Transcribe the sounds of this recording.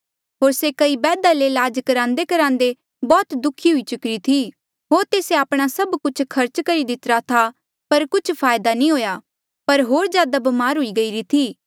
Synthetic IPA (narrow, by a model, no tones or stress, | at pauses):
ɦoːɾsekɐibɛːd̪alelaːd͡ʒkɐɾãːnd̪ekɐɾãːnd̪e | bɔːt̪d̪ʊkʰiɦʊit͡ʃʊkɾit̪ʰi | ɦoːɾt̪eːseaːpɽ̃asɐbkʊt͡ʃʰkʰɐɾt͡ʃkɐɾid̪ɪt̪ɾat̪ʰa | pɐɾkʊt͡ʃʰpʰaːjd̪anĩɦoːjaː | pɐɾɦoːɾzjaːd̪abɐmaːɾɦʊiɡɐiɾit̪ʰiː